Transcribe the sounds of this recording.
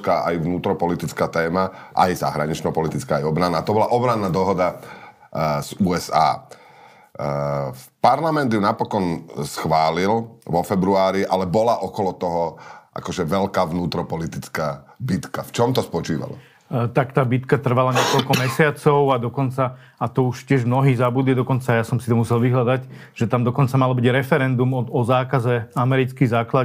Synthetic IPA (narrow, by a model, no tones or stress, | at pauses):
kaːʔajʋnuːt̪ɾɔpɔlit̪it͡skaːt̪ɛːmaʔa̰jza̰ɦɾaɲit͡ʃnɔpɔlit̪it͡skaːjɔbɾanːaːt̪ɔbɔlaʔɔbɾanːaːd̪ɔɦɔd̪a | z̥uːɛsa̰ː | paɾlamɛnd̪junapɔkɔnsxʋaːlilʋɔfɛbɾuaːɾiʔalɛbɔlaʔɔkɔlɔt̪ɔɦɔʔa̰kɔʒɛʋɛlkaːʋnuːt̪ɾɔpɔlit̪it͡skaːbit̪kaft͡ʃɔmt̪ɔspɔt͡ʃiːʋa̰lɔ̰ | t̪akt̪aːbit̪kat̪r̩ʋalaɲɪɛkɔlkɔmɛsɪat͡sɔʊad̪ɔkɔnt͡saː | t̪ɔuʃcɪɛʒmnɔɦiːɣzabud̪lɪd̪ɔkɔnt͡sajasɔmsit̪ɔmusɛlʋiɦlad̪aɟ | ʒ̥ɛt̪amd̪ɔkɔnt͡samalɔbiɟɾɛfɛɾɛnd̪umɔɔzaːkazɛamɛɾit͡skizaːkla